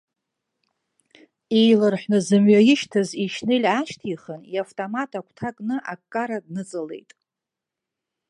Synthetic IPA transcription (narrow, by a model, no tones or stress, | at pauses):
ejlɨrħʷnɨzɨmɥajɪʃtʰaziʃnɨlʲaʃtʰiχəniaftʼomatʰakʷʰtʰakʼnɨʔakkʼːaɾadnɨt͡sʼɨle̞̰jtʼ